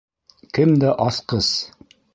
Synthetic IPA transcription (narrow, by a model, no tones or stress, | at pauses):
kɘmd̪æʔɑsqɤs